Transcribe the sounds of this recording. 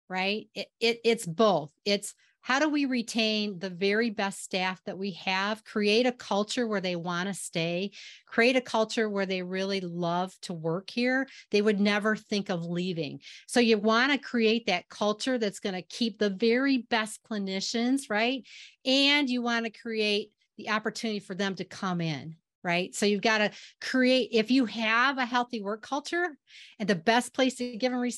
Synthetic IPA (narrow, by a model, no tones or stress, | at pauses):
ɹaɪt̚ɪɪɾɪtsb̥oʊθɪts | haʊɾəwiɹitʰẽɪ̃nðɨvɛɹibɛststæfðɨt̚wiɨv̥kʰɹ̥ieɪɾɨkʰʌlˠt͡ʃə˞wə˞ðeɪwɑ̃nɨsteɪkʰɹ̥ieɪɾɨkʰʌlˠt͡ʃə˞wə˞ðeɪɹɪlˠilʌv̥tʰəwɜ˞khiɹðeɪwɨdⁿnɛvə˞θɪ̃ŋkʌvlivɪ̰̃ŋsoʊjɨwɑ̃nɨkʰɹ̥ieɪt̪̚ðɨt̚kʰʌlˠt͡ʃə˞ðɨtsɡ̥ʌnɨkʰip̚ðɨvɛɹibɛspʰl̥ənɪʃɨ̃nzɹaɪt̚ɨ̃njɨwɑ̃nɨkʰɹ̥ieɪt̪̚ | ðiʔɑpə˞tʰʉnɨɾifə˞ðɨ̃mtɨkʰʌ̃mɪ̃n | ɹaɪtsoʊjʉvɡɑɾɨkʰɹ̥ieɪɾʔɪfjɨɨvɨɦɛlˠθiwɜ˞kʰʌlˠt͡ʃə˞ɨ̃nðɨbɛspʰl̥eɪstʰɨɡɪvɨ̃nɹi